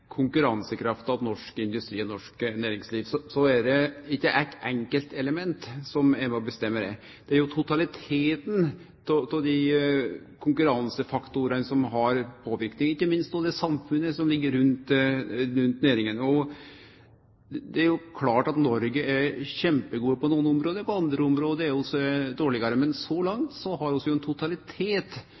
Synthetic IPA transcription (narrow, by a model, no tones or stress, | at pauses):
kʰʊŋkʉɾɑnsəkʰɾɑft̪ɑʋnɔʂkɪnd̪ʉst̪ɾiːɔnɔʂknæːɾɪŋsliːʋsɔsɔæɖɛɪkːəʔæɪt̪ːɛŋkəlt̪ɛləmɛnt̪sɔmæmɛɔbəst̪ɛmːəd̪ɛ | d̪̥ɛæɾjʊt̪ʰʊt̪ʰɑlɪt̪ʰeːt̪n | t̪ʰɔt̪ʰɔd̪i | kʰʊŋkʉɾɑnsəfɑkt̪ʊɾənəsɔmɦɑɾpʰoːʋɪɾknɪŋɪçːəmɪnst̪̚pɔd̪ɛsɑmfʉnːəsɔmlɪɡːəɾɾʉnt̪ɾʉnt̪neːɾɪŋənɔ | d̪ɛæɾjʊkʰlɑːʈɑt̪nɔɾɡəʔæɾɕɛmpəɡuːəpɔnuːənʊmɾoːd̪əpɔɑnd̪ɾəʊmɾoːd̪əæɾjʊɔsːɔd̪oːɭɪɡɑɾəmɛnsɔlɑŋt̪sɔɦɑɾɔsːɔjʊɛnt̪ʰʊt̪ɑlɪt̪ʰeːt̪